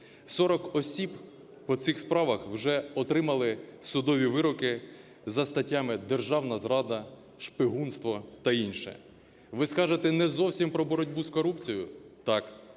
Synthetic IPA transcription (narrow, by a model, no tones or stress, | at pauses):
sɔɾɔkɔsʲib | pɔt̪sixspɾɑʋɐxwʒɛɔt̪ɾɪmɐlˠɪsʊd̪ɔʋʲiʋɪɾɔkɪ | zɐst̪ɐtʲːamɪd̪erʒɑwnɐzɾɑd̪ɐ | ʃpɪɦunst̪ʋɔt̪ɐinʃɛ̰ | ʋɪskɑʒet̪ɛnɛzɔwsʲimpɾɔbɔɾɔdʲbuzkɔɾupt͡sʲijʊt̪ɑk